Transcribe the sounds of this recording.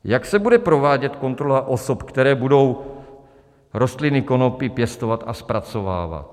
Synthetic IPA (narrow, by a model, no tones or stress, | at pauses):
jaksɛbudɛpɾo̞vaːɟɛt̪ko̞nt̪ɾolaʔo̞sopkt̪ɛɾɛːbudo̞w | ɾo̞st̪lɪnɪko̞no̞pɪpjɛst̪ovat̪aspɾat͡so̞va̰ːva̰t̪̚